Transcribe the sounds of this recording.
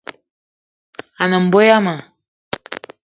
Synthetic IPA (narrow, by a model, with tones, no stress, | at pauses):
a˨nə˨m̩˨bo˦ja˦ma˨